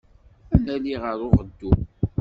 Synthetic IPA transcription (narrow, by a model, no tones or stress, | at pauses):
ænæliʁəɾʊʁəd̪ːu